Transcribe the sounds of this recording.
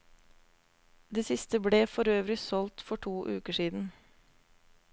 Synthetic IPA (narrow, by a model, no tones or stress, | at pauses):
d̪eːsɪst̪əbleːfɔɾøːʋɾɪsɔlt̪fɔʈʰuːʔʉːkəʂiːd̪n̩